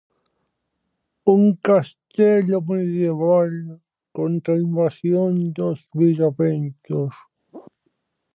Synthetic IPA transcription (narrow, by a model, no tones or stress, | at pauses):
uŋkast̪eʎomenðjeβal | kont̪ɾaimbasjond̪ozβiʒaβent̪os